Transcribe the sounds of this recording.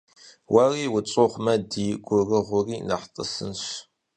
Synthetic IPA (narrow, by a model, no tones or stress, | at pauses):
wʔɐriːwʊt͡sʼoχʷmɐdiːɡʷʊrɨʁʷʊriːnɐħtʼə̰sɨ̰nɕ